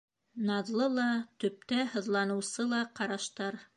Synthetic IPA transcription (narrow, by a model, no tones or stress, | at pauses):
nɑðlˠɤlˠɑt̪ɵ̆p̚t̪æhɤ̆ðlˠɑnɤ̆wsɤlˠɑqɑɾɑʃt̪ɑɾ